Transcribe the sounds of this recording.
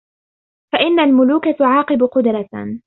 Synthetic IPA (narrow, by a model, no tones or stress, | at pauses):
faʔɪnːalmʊluːkat̪ʊʕɑːqɨbʊqʊd̪ɾˤɑ